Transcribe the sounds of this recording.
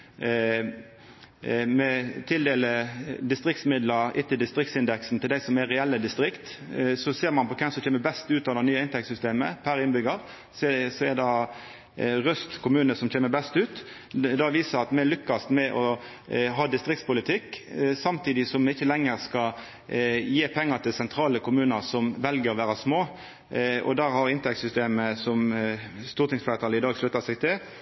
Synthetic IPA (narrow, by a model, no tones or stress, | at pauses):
mɛt̪ʰɪld̪eːləd̪ɪst̪ɾɪkt̪smɪd̪ləɾɪt̪ːɪld̪ɪst̪ʁɪk̚t̪sɪnd̪ɛksn̩t̪ʰɪld̪æɪsɔmɛʁɛɛlːəd̪ɪst̪ɾɪkt̪ | sɔseːʁmɑnpɔkʰɛmsɔmçeːməbɛst̪ʉːt̪ɑːʋd̪ɑnyːəɪnt̪ɛkt̪sʏst̪eːməpʰæɾɪnbʏɡəʁ | ssɔɛd̪ɑ | ʁœst̪kʰʊmʉːnəsɔmçeːməbɛst̪ʉːt̪ | d̪ɑʋiːsəʁɑt̪mɛlʏkːɑsmɛʔɔ | ɦɑːd̪ɪst̪ɾɪk̚t̪spʊlɪt̪ʰɪkːsɑmt̪ʰiːd̪ɪsɔmɛɪçːəlɛŋːəʁskɑ | jeːpʰɛŋːət̪ʰɪlsɛnt̪ʰɾɑːləkʰʊmʉːnəʁsɔmʋɛlɡəɾɔʋæːʁəsmoː | ɔ̰d̪æhɑɾɪnt̪ʰɛkt̪sʏst̪eːməsɔmst̪uːʁt̪ɪŋsflɛʁət̪ɑːləɪd̪ɑːɡslʉt̪ːɑsɛɡt̪ʰɪl